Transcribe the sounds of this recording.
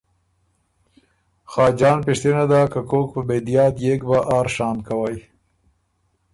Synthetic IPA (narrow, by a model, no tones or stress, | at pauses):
xɑːd͡ʒɑːnpɪʂt̪enad̪akakok̚pəbed̪ijɑt̪jekbaʔɑːɾʃɑːmkawaj